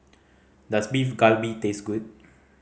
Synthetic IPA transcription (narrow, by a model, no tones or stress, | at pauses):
dasbifɡalbitesɡud̚